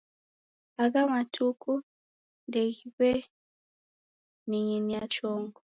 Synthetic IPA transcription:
aɣamatʰuku | ndɛɣiβɛ | niɲiniat͡ʃɔŋɡɔ

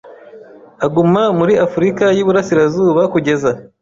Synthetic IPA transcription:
aɡumamuɾiafuɾikajiβuɾasiɾazuːβakuɟe̞za

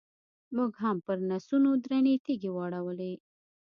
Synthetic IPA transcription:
muɡɦampəɾnasunod̪ɾanet̪iɡewɑɽawəle

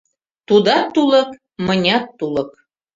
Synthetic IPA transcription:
t̪ud̪ɑt̪ːulə̆k | mənʲɑt̪ːulə̆k

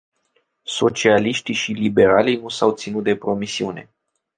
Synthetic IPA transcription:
so̞t͡ʃialiʃt̪iʃilibe̞ɾalijnusawt̪sinut̪̚d̪e̞pɾo̞misiune̞̰

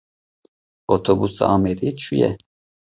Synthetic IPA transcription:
ot̪ʰobusa̰ɑːmed̪it͡ʃʰujɛ̰

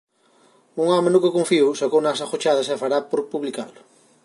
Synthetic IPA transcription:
uŋɔmẽnukokõɱfiuwsokownasaχot͡ʃaðɐsefaɾapoɾpuβlika̰lʊ

